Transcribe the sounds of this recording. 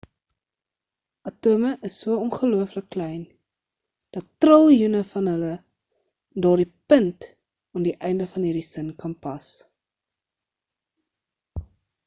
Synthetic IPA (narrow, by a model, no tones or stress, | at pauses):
ʔɐtuəməʔəsːuəɔnχəluəfləkːlɛjn | d̥ɐtːrəlˠjunəfɐnɦələ | dɑːrdipənt | ɑndiʔɛjndəfɐnɦiːɾisənkɐnpɐs